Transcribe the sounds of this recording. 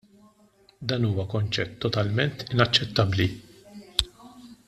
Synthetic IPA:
d̪ɐːnuːwɐkɔnt͡ʃɛt̪ːɔt̪ɐlmɛnt̪ɪnɐt͡ʃːɛt̪ːɐbli

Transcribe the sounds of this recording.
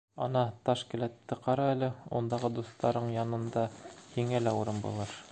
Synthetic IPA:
ɒnɑt̪ɑʃkɘ̆læt̪ːɘqɑɾɑælɘṵnd̪ɑʁɤd̪ust̪ɑɾɤɴjɑnɤ̆nd̪ɑhiŋælæuɾɤmbṵlˠɤɾ

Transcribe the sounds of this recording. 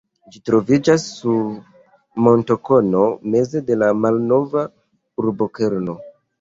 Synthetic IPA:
d͡ʒitɾo̞vid͡ʒasːu | mo̞nto̞ko̞no̞me̞ze̞de̞lamalno̞va | uɾboke̞ɾno̞

